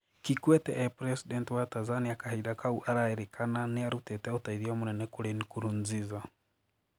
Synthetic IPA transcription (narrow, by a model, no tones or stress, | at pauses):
kikwɛtɛʔːpɾesidentiwatazaniakahaiɾakauʔaɾaeɾekʰananiaɾutɛtɛutaiðiomunɛnekuɾenikuɾunziza